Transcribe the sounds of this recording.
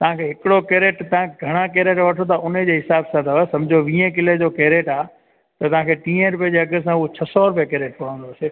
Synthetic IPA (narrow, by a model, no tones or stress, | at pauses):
t̪ɐʋ̤ãkʰeɦɪkɪɽokeːɾeːʈt̪ɐãeɡʱɐɽ̃akeːɾeːʈʋɐʈʰot̪̬ɐʔʊned͡ʑeɦɪsaːbsat̪aʋsɐ̃md͡ʑʱoʋĩːə̃k̬ɪled͡ʑokeːɾeːʈaː | t̪ɐt̪ɐʋ̤ãkʰeːʈĩːə̃ɾʊp̬iəd͡ʑeːɐɡəsãʊɦot͡ɕʰɐsɔɾʊp̬ijəkeːɾeːʈ̚pɐɽ̤ə̃n̆d̪ose